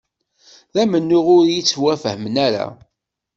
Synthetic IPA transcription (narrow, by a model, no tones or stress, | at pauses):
ðæmənːʊʁʊɾjit͡sːwæfəhəmənæɾa̰